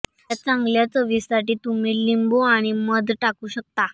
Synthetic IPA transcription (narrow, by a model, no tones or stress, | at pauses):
at͡sãŋɡljat͡səʋisaʈiːt̪um̤iːlimboaɽ̃iməd̪ʱʈakuːɕək̚t̪a